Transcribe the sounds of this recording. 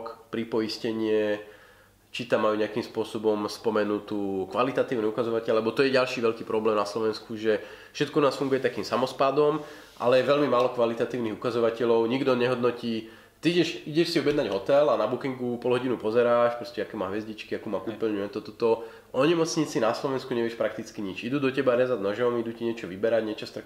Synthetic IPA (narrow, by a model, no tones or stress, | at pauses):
kpɾipɔiscɛɲɪɛ | t͡ʃit̪amːajuːɲɛakimspʊɔsɔbɔmspɔmɛnut̪uːkʋalit̪at̪iːʊniukazɔʋacɛʎlɛbɔt̪ɔjɛɟalʃiːʋɛʎkiːpɾɔblɛːmnaslɔʋɛnskuʒɛ | fʃɛt̪kɔnaːsfuŋɡujɛt̪akiːmsamɔspad̪ɔm | ʔa̰lɛjɛʋɛlmimaːlɔkʋalit̪at̪iːʊniɦukazɔʋacɛʎɔʊɲiɡd̪ɔɲɛɦɔd̪nɔciː | t̪iiɟɛʃiɟɛʃsiɔbjɛd̪naɟɦɔt̪ɛlanabukiŋɡupɔlɦɔɟinupɔzɛɾaːʃpɾɔscɛakɛːmaːɦʋɛzɟit͡ʃkiakumakupɛlɲujɛt̪ɔt̪ɔt̪ɔ | ʔɔɲɛmɔt͡sɲit͡sinaslɔʋɛnskuɲɛʋɪɛʃpɾak̚t̪it͡skiɲit͡ʃid̪uːd̪ɔcɛbaɾɛzad̪nɔʒɔmid̪uciɲɪɛt͡ʃɔʋibɛɾaɟɲɛt͡ʃɔst̪ak